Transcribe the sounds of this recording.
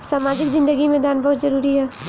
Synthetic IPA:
saːmaːd͡ʒɪkzɪ̃nd̪əɡimẽd̪aːnbɐɦʊt̪zɐɾuːɾiɦɛː

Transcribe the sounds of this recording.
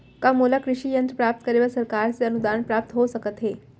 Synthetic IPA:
kamolakɾiʂiːjənt̪ɾəpɾap̚t̪kəɾeʋəsəɾkaɾt͡seənud̪aɳpɾap̚t̪ɦosəkət̪ɦe

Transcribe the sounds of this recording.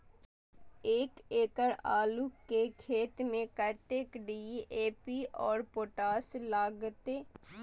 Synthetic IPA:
eːkeːkəɽa̰ːlukekʰeːt̪mẽkət̪ekɖiːeːpiɔːɾpoːʈaːslaːɡt̪eː

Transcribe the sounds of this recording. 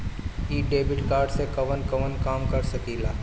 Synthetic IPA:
iːɖeːbɪʈkaːɾɖsekɐʋənkɐʋənkaːmkɐɾsɐkiːlaː

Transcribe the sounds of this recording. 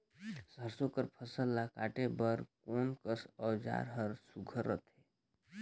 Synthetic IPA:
səɾsokəɾpʰəsəlːakaʈebəɾkonkəsɔwd͡ʒa̰ɾɦəɾsuɡʱəɾə̰t̪ɦe

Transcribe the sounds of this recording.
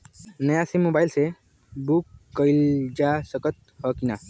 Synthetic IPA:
nəjasimobajlse | bukːəjld͡ʒasəkət̪̚ | hɔkina

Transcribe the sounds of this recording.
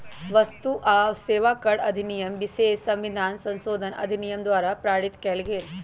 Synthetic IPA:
ʋɐst̪uʔaːʋseːʋaːkɐɽɐd̪ʱinijəmʋɪʃeːssɐ̃mʋɪd̪ʱaːnsɐ̃nsoːd̪ʱənɐ̰d̪ʱinijəmd̪waːɾapɾaːɽɪt̪kɐlɡeːl

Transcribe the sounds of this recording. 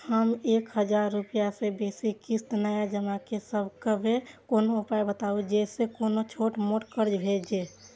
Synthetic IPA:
həmekhəd͡ʒaɾːupijasebesikist̪nəjad͡ʒəmakesəbʱkəbekonoupajbət̪aud͡ʒɛsekonot͡ʃʰoʈmoʈkəɾd͡ʒbʱed͡ʒe

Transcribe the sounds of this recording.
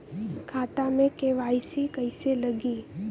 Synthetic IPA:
kʰat̪amẽkeʋaisikəjseləɡi

